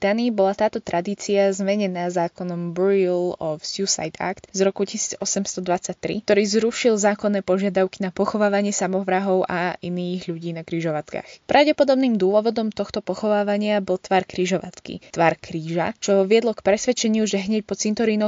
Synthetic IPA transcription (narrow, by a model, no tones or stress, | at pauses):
t̪anibɔlat̪aːt̪ɔt̪ɾʔad̪iːt͡siazmɛɲɛnaːzaːkɔnɔmbɾilɔsusa̰jt̪a̰kt̪zɾɔkucisiːd͡zɔsɛmst̪ɔd̪ʋat͡sac̚t̪ɾḭkt̪ɔɾiːzɾuʃilzaːkɔnːɛːpɔʒɪad̪aʊki̥napɔxɔʋaːʋaɲɪɛsamɔʋɾaɦɔʊʔa̰ʔiniːɣʎuɟiːnakɾiːʒɔʋat̪ka̰xpɾʔaʊɟɛpɔd̪ɔbniːmd̪ʊɔʋɔd̪ɔmt̪ɔxt̪ɔpɔxɔʋaːʋaɲɪabɔlˠt̪ʋaːɾkɾiːʒɔʋa̰t̪kḭt̪ʋaːɾkɾiːʒat͡ʃɔʋɪɛd̪lɔkpɾɛsʋɛt͡ʃɛɲɪuʒɛɦɲɛc̚pɔt͡sint̪ɔɾiːnɔ